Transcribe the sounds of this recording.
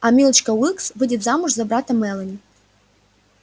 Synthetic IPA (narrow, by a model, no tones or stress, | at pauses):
ɐmʲilˠt͡ɕkɐwɨksvɨdʲɪt̪zamʊʐzɐbɾat̪ɐmɛlˠɐnʲɪ